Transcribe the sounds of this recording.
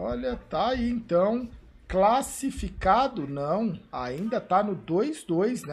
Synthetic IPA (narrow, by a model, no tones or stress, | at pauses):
ɔʎɐt̪aiẽt̪ɐ̃w̃ | klasifikad̪ʊnɐ̃w̃aĩnd̪ɐt̪anʊd̪ojzd̪ojznɛ